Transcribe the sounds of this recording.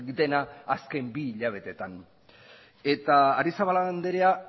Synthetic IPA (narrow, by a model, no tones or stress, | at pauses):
d̪e̞naːske̞mbiːʎaβ̞e̞t̪e̞t̪an | e̞t̪aːɾisaβaland̪eɾea